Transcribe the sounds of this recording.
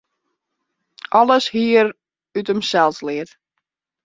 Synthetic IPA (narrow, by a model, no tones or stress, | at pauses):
ʔɔləshiəɾ | ytəmsɛlˠslɪət